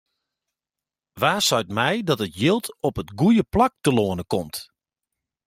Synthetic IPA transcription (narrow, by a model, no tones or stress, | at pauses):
ʋaːsœɥtmɛjdɔtətjɪlˠtʰɔpətɡujəplak̚təloːənəkɔmt